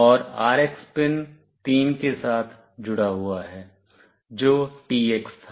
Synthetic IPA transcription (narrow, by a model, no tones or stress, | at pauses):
ɔːɾaːɾekspɪn | t̪iːmkesaːt̪ʰ | d͡ʒʊɽaɦʊaɦɛː | d͡ʒoːʈiːekst̪ʰa